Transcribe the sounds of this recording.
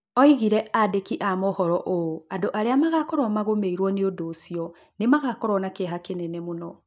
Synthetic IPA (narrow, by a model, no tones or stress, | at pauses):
ɔiɣiɾɛʔadekiʔamɔhɔɾɔʔooandoʔaɾeamaɣakɔɾɔmaɣomeiɾwɔneodoːsiɔ | nemaɣakɔɾɔnakeɦakenɛnɛmonɔ